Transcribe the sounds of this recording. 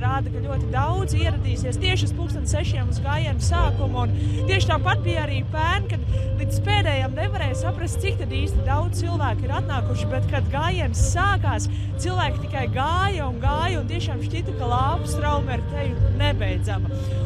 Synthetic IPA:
ɾaːd̪ɐkaʎʲuɔt̪id̪awd̪ziɛɾad̪iːsiɛst̪iɛʃuspuːkst̪anseʃiɛmuzɡaːjiɛnsaːkumunt̪iɛʃt̪aːmpat̪̚bijaɾiːpæːnkad̪lˠit̪speːd̪ɛːjamnevaɾɛːjsapɾast̪sik̚t̪ad̪iːst̪id̪awd͡z̪t̪ilˠvæːkiɾat̪naːkuʃibet̪kad̪ɡaːjiɛnsːaːkaːs | t̪silˠvæːkʲit̪ikajɡaːjɐunɡaːjɐunt̪iɛʃaːmʃcit̪ɐkalˠɑːpu̥sɾawmɛɾt̪ejʲnebɛjd̪zamɐ

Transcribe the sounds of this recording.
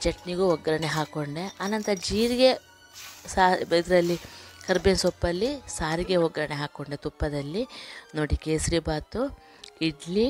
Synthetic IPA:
d͡ʒɐʈniɡuɔɡɾɐneɦaːkoɳɖeaːnɐnt̪ɐd͡ʒiːɾiɡe̞ | saːbɐjd̪ɾɐlːikɐɾbensɔpːɐlːisaːɾiɡe̞ɔɡɾɐne̞ɦaːkoɳɖet̪upːɐd̪ɐlːinoːɽikeːsɾibaːt̪u | iɖli

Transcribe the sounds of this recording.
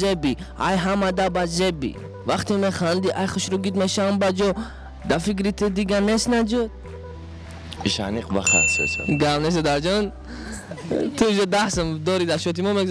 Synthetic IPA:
zebi | a̰jɦamad̪abazebḭ | vaχt̪imeχand̪iʔajχuʃɾuɡid̪meʃambad͡ʒɔ | d̪afikɾit̪ʰid̪iɡanest̪nad͡ʒud̪̚ | iʃa̰niqba̰χa̰sɔ̰sa̰ɡamnes̬ɔd̪aɾd͡ʒɔn | t̪ʰud͡ʒɔd̪ahsəmd̪ɔɾid̪aʃɔt̪imɔmeɡuz

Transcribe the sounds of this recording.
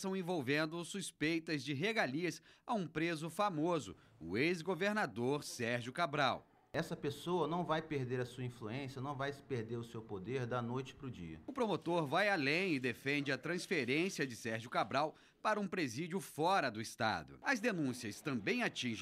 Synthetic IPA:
sɐ̃w̃ẽvowvẽnd̪ʊsuspejt̪ɐzd͡ʒɪɦeɡaliɐsaũpɾezʊfamozʊ̰ | ʊ̰ezɡoveɾnad̪oɾsɛɾʒʊkabɾaw | ɛsɐpesowɐnɐ̃w̃vajpeɾd̪eɾɐsuɐĩfluẽsijɐnɐ̃w̃vajspeɾd̪eɾʊsewpod̪eɾd̪ɐnojt͡ʃɪ̥pɾʊd͡ʒḭɐ̰ʊpɾomot̪oɾvajalẽj̃ɪd̪efẽnd͡ʒɪɐt̪ɾɐ̃sfeɾẽsiɐd͡ʒɪsɛɾʒʊkabɾaw | paɾɐũpɾezid͡ʒʊfɔɾɐd̪ʊɪst̪a̰d̪ʊ̰ɐzd̪enũsiɐst̪ɐ̃mbẽj̃at͡ʃĩʒ̃

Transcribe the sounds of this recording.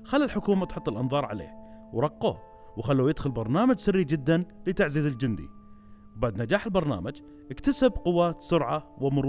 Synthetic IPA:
xalːɪlħʊkuːmat̪ħʊt̪ˤːɪlʔɑnðˤɑːɾˤʕa̰lḛːhwɾˤɑqːo̰ | wxalːujɪd̪xʊlbɑɾˤnaːmad͡ʒsɪrːid͡ʒɪd̪ːanlɪt̪aʕziːzɪld͡ʒɪnd̪ḭ | wbaʕd̪nad͡ʒaːħɪlbɑɾˤna̰ːmad͡ʒ | ʔɪkt̪asabqʊwːaːt̪sʊɾʕawɪmʊɾ

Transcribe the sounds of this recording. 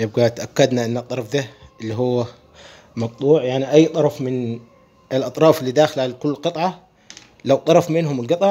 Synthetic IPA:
jɪb̚ɡat̪ʔakːad̪naʔɪnːɑt̪ˤːɑɾˤɑfd̪aʔɪlːiɦuwːa | mɑɡ̚t̪ˤuːʕjaʕniʔajːt̪ˤɑɾˤɑfmɪn | ɪlʔɑt̪ˤɾˤɑːfɪlːid̪aːxɪlʕalkʊlːqɨt̪ˤʕɑ | lawt̪ˤɑɾˤɑfmɪnɦʊmlɡɨt̪ˤɑ

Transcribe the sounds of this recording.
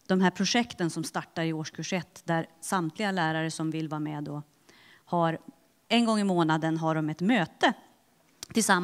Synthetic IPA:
d̪̥ɔmɦæːɾpʰɾʊʂɛkt̪ənsɔmst̪aʈːaɾɪoːʂkʰʉʂɛt̪ːd̪æɾsamt̪ʰlɪɡalæːɾaɾəsɔmvɪlvɑːɾmɛd̪ɔ | haɾ | ɛnɡɔŋːɪmoːnad̪ənɦaɖɔmɛt̪møːt̪ə | t̪ʰɪlsamː

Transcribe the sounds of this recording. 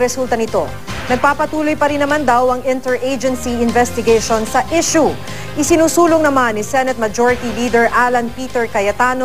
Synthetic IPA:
ɾɛsult̪ɐnɪt̪o̞̰ | nɐɡ̚paːpɐt̪uːlojpɐɾɪnːɐmand̪awɐŋɪ̃nt̪ɛɹʔejd͡ʒɛnsiɪnvɛst̪ɪɡejʃonsɐʔɪʃu | ʔɪsɪnuːsuːloŋnɐmanːisɛnɛt̪̚mɐd͡ʒoɹɪt̪iliːd̪ɛɹʔaːlɐnpiːt̪ɛɹkɐjɐt̪aːno

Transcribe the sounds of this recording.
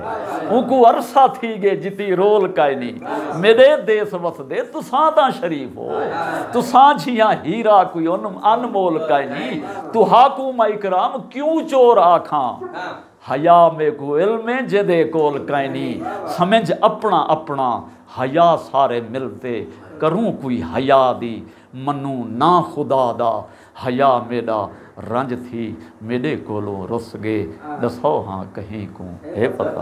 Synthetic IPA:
ũːkuːəɾsaːt̪ʰiːɡeːd͡ʒɪt̪iːɾoːlkaːinḭ̃ːmeːɗeːd̪eːsʋəsʰd̪eːt̪ʊsãːt̪ãːʃəɾiːpʰɦo̰ːt̪ʊsãːd͡ʒʱijãːɦiːɾaːkuioːnənmoːlkaːiniːt̪uːɦaːkuːmaːɪkɾaːmkjũːt͡ʃoːɾaːkʰã̰ː | həjaːmeːkuːɪlmẽːd͡ʒeːd̪eːkoːlkaːiniːsəmə̃d͡ʒəpɳaːʔəpɳaː | həjaːsaːɾeːmɪlt̪eː | kəɾũːkoːiːɦəjaːd̪iː | mənũːnaːxʊd̪aːd̪aː | həjaːmeːɗaː | ɾə̃d͡ʒt̪ʰiːmeːɗeːkoːlõ̰ːɾosɡeːɗəsoːɦã̰ːkəɦĩːkõ̰ːeːpət̪a̰ː

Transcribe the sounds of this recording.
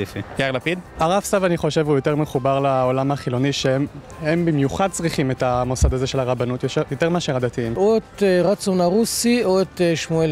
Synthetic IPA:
ifiɡ̥aaʁlapid̪aʁavsavaniχo̞ʃe̞vhujo̞te̞ʁmeχubaʁlaolamaχilo̞niʃe | he̞mbimjuχad̚t͡sʁiχime̞tamo̞sadaze̞ʃe̞laʁabanutjoʃejoteʁmeaʃeʁad̪atiimoet̪eʁat͡sonaʁusioet̪ʃmuel

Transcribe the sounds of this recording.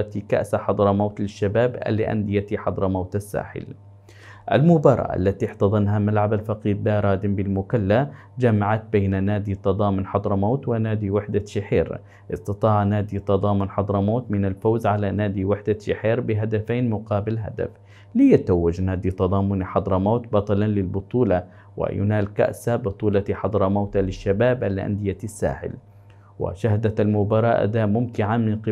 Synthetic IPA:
t̪ika̰ʔsaħɑd̪ˤɾˤmaːt̪lɪʃːabaːba̰lːɪ̰ʔa̰nd̪ɪjat̪iħɑd̪ˤɾˤmawt̪asːa̰ːħɪ̰l | ʔa̰lmʊbɑɾˤɑ̰ʔa̰lːat̪iħt̪ɑðˤɨnɦamalʕabalfɑqiːd̪laɾˤɑːd̪ɪmbɪlmʊkalːa | d͡ʒamaʕat̪̚beːnanaːd̪it̪ɑd̪ˤɑːmʊnħɑd̪ˤɾˤmaːt̪wɪnaːd̪iwɪħd̪aʃɪħḛːɾ | ʔɪst̪ɑt̪ˤɑːʕnaːd̪it̪ɑd̪ˤɑːmʊnħɑd̪ˤɾˤmoːt̪mɪnalfowzʕalanaːd̪iwɪħd̪aʃɪħiːɾbɪɦad̪afaːnmʊqɑːbɪlɦa̰d̪a̰f | lɪjat̪awːad͡ʒnaːd̪it̪ɑd̪ˤɑːmʊniħɑd̪ˤɾˤɑmaːt̪bɑt̪ˤɑlɑnlɪlbʊt̪ˤuːlɑ | wɪ̰jʊ̰naːlka̰ʔsabʊt̪ˤuːlɑt̪iħɑd̪ˤɾˤɑmawt̪alɪʃːabaːbʔalʔa̰nd̪ɪjasːa̰ːħɪ̰l | wɪ̰ʃahd̪almʊbɑɾˤɑːʔa̰d̪aːʔmʊmt̪ɪʕamɪnqɪ

